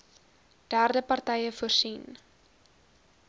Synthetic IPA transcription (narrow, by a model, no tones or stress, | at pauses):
d̥ærdəpɐrtɛjəfuərsin